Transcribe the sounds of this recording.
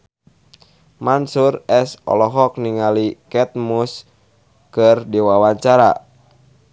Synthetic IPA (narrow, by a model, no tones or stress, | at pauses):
mansurɛsɔ̰lɔɦɔk̚niŋalikɛt̪̚mus | kɨrdiwawaɲt͡ʃaɾa̰